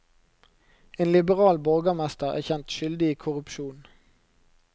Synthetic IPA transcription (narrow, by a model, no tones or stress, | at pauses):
eːnlɪbəʁɑːlbɔlɡəmɛst̪əʁæ̰ːçɛnt̪ʃʏld̪ɪiːkʰʊʁʉpʃuːn